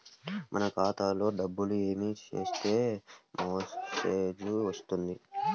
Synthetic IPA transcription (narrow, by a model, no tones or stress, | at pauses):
mʔɐ̰nɐkaːt̪aːlo̞ːɖɐbːulue̞ːmit͡ʃe̞ːst̪e̞ːmoːseːd͡ʒuʋɐst̪und̪i